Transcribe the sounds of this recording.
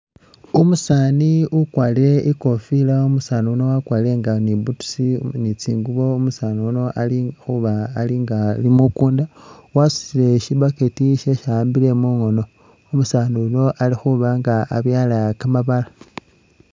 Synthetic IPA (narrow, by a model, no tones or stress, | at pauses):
umusaːniʔukwaːliɾe̞ʔiko̞filaumusaːniuno̞wakwaːliɾe̞ŋɡanibutu̥sinit͡siːŋɡuβo̞umusaːniuno̞ʔalixuβaːliŋɡalimukuːndawasu̥sile̞ʃiβaketiʃeʃaːmbile̞muŋo̞no̞ | umusaːnuuno̞ʔalixuβaŋɡaa̰βjaːlakamaβala